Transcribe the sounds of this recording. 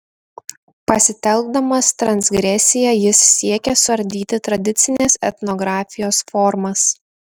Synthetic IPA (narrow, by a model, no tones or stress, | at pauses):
pɐsʲɪt̪ʲɛlˠɡ̚d̪ɐmɐst̪ɾɐnʲsʲɡɾʲɛsʲɪjɛjɪsːʲiɛkʲɛsʊɐɾʲd̪ʲiːt̪ʲɪt̪ɾɐd̪ʲɪt̪sʲɪnʲɛsɛt̪nɔɡɾɑːfʲɪjoːsfɔɾmɐs